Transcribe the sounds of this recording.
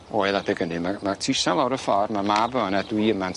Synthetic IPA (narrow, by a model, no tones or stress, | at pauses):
oːɨðˠadɪɡənimamatʰɪsanlˠawɾəfɔrmamabəənadwiəman